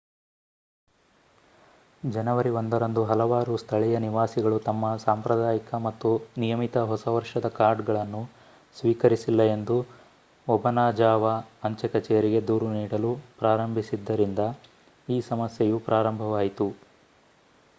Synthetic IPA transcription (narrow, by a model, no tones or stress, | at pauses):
d͡ʒɐnɐʋɐɾiond̪ɐɾɐnd̪uɦɐlɐʋaːɾust̪ʰɐɭɛjɐniʋaːsiɡɐɭut̪ɐmːɐsaːmpɾɐd̪aːjikɐmɐt̪ːunijɐmit̪ɐɦɔsɐʋɐɾʂɐd̪ɐkaːɾɖɡɐɭɐnːu | sʋiːkɐɾisilːɐe̞nd̪u | ɔbɐnaːd͡ʒaːʋɐɐɲt͡ʃɐkɐt͡ʃɛːɐɾiɡe̞d̪uːɾuniːɽɐlupɾaːɾɐmbʱisid̪ːɐɾind̪ɐ | iːsɐmɐsjejupɾʔaːɾɐmbʱɐʋaːjit̪u